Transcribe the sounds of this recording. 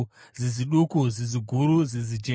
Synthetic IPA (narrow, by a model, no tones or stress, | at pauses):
ziziɗukuziziɡʱuɾuzizid͡ʒe